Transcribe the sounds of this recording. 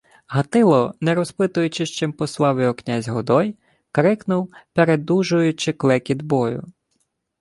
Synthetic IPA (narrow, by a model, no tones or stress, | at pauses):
ɦɐt̪ɪlˠɔnɛɾɔspɪt̪ʊjʊt͡ʃɪʃt͡ʃɪmpɔslˠɑʋɪɔknʲazʲɦɔd̪ɔj | kɾɪknʊwpeɾed̪uʒʊjʊt͡ʃɪklˠɛkʲid̪bɔjʊ̰